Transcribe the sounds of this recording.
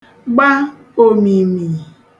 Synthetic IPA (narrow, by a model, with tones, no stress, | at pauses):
ɡ͡ba˦ | o˦mi˨mi˨